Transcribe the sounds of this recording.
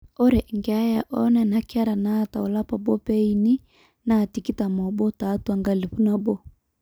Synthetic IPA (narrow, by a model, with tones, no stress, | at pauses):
ɔ˦ɾɛ˨ŋɡɛ˨a˦ja˨ʔɔ˦nɛ˨na˨ka˦ɾa˨na˦˨ta̰˨ɔ˨la˦pa˨bɔ˦pɛ˦i˨ni˦ | na˦˨ti˨ki˦ta˨mɔ˨bɔ˦taː˨˦tu˦a˨ŋɡa˦˨li˨ɸu˦na˦bɔ˦